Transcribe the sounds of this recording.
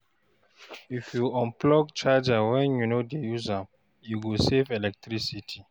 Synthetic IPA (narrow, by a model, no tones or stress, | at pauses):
ifjuɔ̃mplɔɡ̚t͡ʃad͡ʒawɛ̃njunodejuza | juɡusevɛlɛk̚tɾisitʰi